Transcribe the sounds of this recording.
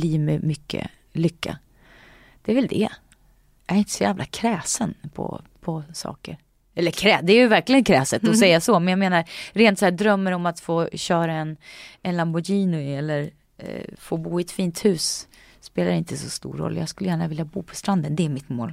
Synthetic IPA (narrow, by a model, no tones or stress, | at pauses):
liːmɛmʏkʰːə̰ | lʏkːa̰ | d̪̥ɛævɛld̪ɛ̰ | jʔæɾɪnt̪əsɔjæːvlʔa̰kʰɾɛːsənpʰɔ̰pʰɔsɑ̰ːkə̰ɾ | ɛlːəɾkʰɾɛːd̪ɛæjɵvæɾklɪɡənkʰɾɛːsət̪ɔsɛjːasɔmɛnjɑːɡmeːnaɾɾeːnt̪sɔæːd̪ɾœmːəɾɔmat̪foːɕœːɾaɛnɛnlambʊjiːnʊɛlːəɾ | foːbuːɪɛt̪fiːnt̪hʉ̟ːs | speːlaɾɪnt̪əsɔst̪ṵːɾːɔ̰lːjɑ̰ːɡskɵlːəjæːɳavɪljabuːpʰɔ̥st̪ɾand̪ənd̪ɛæɾmɪt̪moːl